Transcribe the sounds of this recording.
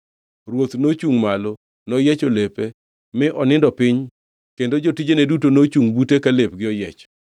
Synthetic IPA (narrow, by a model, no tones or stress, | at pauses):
rwot̪not͡ʃuŋmalo | nɔjɛt͡ʃolepe | mɪʔɔnɪndɔpɪɲ | kendod͡ʒotid͡ʒenedutonot͡ʃuŋbutekalep̚ɡɪɔjɛt͡ʃ